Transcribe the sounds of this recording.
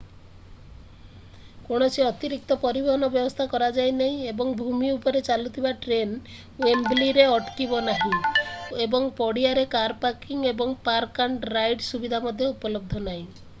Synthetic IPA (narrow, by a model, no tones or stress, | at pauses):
koɽ̃ɔsiɔt̪iɾik̚t̪ɔpɔɾibɔɦɔnɔbjɔbɔst̪ʰakɔɾad͡ʒajnaɦĩebɔŋbʱumiupɔɾet͡ʃalut̪ʰibaʈɾen | wembliɾeɔʈkibɔnaɦĩebɔŋpɔɽiaɾekaɾpaɾkiŋebɔŋpaɾkaɳʈɾajɖsubid̪ʱamɔd̪ʱjɔupɔlɔb̚d̪ʱɔnaɦĩ